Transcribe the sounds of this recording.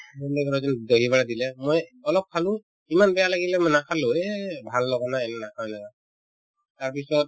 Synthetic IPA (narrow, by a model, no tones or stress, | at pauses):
mɔndɛkɔɹɔzɔndɔɦibaɹadilɛmɔjɔlɔp̚kʰalʊ̃ | imanbɛjalaɡilɛmɔjnakʰalʊɛbʱalːɔɡanaɛnɛnakʰalaɡa | taɹpisɔt̚